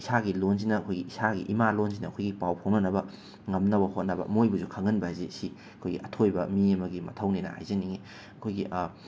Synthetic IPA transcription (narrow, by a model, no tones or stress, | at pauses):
isaɡilonzinɐːkʰojɡiisaɡḭʔimalonzinɐɐkʰojɡipawpʰownɐnɐbɐ | ŋɐmnɐbɐhot̚nɐbɐ̰mojbuzukʰɐŋɐnbɐzisi | ɐkʰojɡiʔɐtʰojbɐmiɐmɐɡimɐ̰tʰɐwninɐ̰ha̰jzɐniŋi | ɐkʰojɡḭʔ